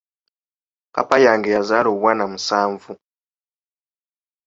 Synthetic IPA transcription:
ka̰pajaːŋɡejazaːloβwaːnamusaːɱvu

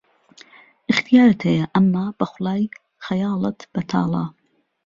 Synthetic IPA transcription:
ʔɨxt̪ijaːɾɨt̪hɛjɐʔɐmːaːb̥ɐxʊlɑːj | xɐjɑːlɨt̪b̥ɐt̪ʰɑ̰ːlˠɑ̰ː

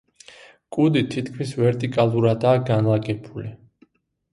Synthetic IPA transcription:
kʼud̪it̪ʰit̪ʰkʰmisvɛɾt̪ʼikʼalˠuɾad̪aːɡanlˠaɡɛbʰuli

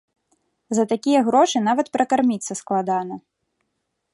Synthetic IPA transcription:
zɐt̪akʲijɐɣɾɔʂɨnavɐt̪pɾɐkarmʲit̪sːɐsklˠad̪anɐ

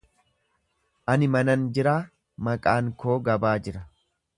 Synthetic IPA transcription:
ʔɐnɪmɐnɐnd͡ʒɪɾaː | mɐkʼaːŋkʰo̞ːɡɐbaːd͡ʒɪɾɐ

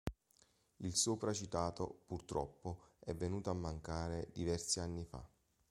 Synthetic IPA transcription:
ilsopɾat͡ʃit̪aːt̪opurt̪ɾɔpːoɛvːenuːt̪oamːaŋkaːɾed̪ivɛrsianːifa̰

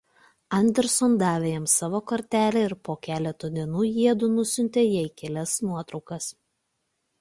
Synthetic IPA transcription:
ɐnʲd̪ʲɛɾsɔnd̪ɑːʋʲejɛmsɑːʋoːkɐɾʲt̪ʲæːlʲeːɪɾpoːkʲæːlʲɛt̪oːd̪ʲiɛnuːjiɛd̪uːnʊsʲʊnʲt̪ʲeːjɛɪkʲɛlʲɛsnuɔt̪ɾɒʊkɐs

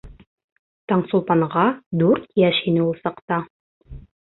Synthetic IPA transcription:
t̪ɑɴsulˠpɑɴʁɑd̪ʉɾt̪jæʃhinɘulˠsɑqt̪ɑ

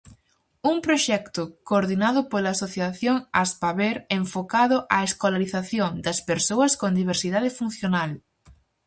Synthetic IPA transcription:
uŋpɾoʃɛkt̪ʊkoːɾðinaðʊpolaːsoθjaθjoŋaspaβeɾeɱfokaðʊʔaeskolaɾiθaθjoŋd̪ɐspeɾsowɐskond̪iβ̞eɾsiðaðɪfun̟θjonal

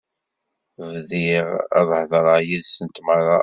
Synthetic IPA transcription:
vðɪʁɑ̰ðˤhðˤəɾˤəjiðsənt̪məɾˤɑ

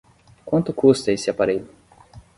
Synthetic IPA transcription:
kwɐ̃nt̪ʊkʰust̪ɐesɪapaɾeʎʊ

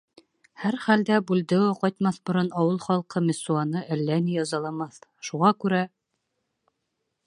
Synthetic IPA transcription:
hæɾχæld̪æbʉld̪ɘwɘqɑjt̪mɑθbŏɾɤnɑwɤlˠχɑlˠqɤmʲɪsuɑnɤʔælːænijɑzɑlˠɑmɑθʃuʁɑkʉɾæ

